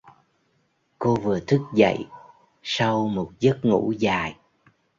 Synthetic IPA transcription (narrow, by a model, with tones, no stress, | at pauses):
ko˧vɨ˨˩ət̪ʰɨ˦˥k̚zə̰˧˨j | sa˧wmo˨˩t̚zə˦˥t̚ŋṵ˧˥zaː˨˩j